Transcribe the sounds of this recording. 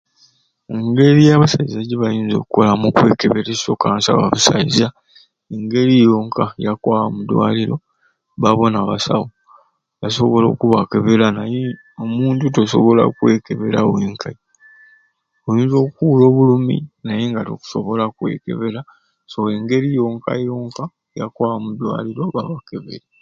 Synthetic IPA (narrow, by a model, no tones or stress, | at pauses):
eŋɡe̞ɾijaβasaizaɟiβajiːnzo̞̰kuko̞lamukwe̞ːkeβeɾesiso̞kansa̰βa̰βusa̰iza | eŋɡe̞ɾijo̞ːŋkajakwaːwamudwa̰liɾo̞ | βaβo̞naːβasa̰wo | jaso̞βo̞lo̞ːkuβake̞βelanaje | omuːntutoso̞βo̞la̰kwe̞keβe̞laweːŋkʰai | ojiːnzo̞ːkuulo̞ːβulumḭnajeŋɡato̰ku̥so̞̰βo̞lakwe̞̰ːke̞̰βe̞la | soweŋɡe̞ɾijo̞ːŋka̰jo̞ːŋka | jakwaːwamud̪wa̰ːliɾo̞βaβakeβḛɾa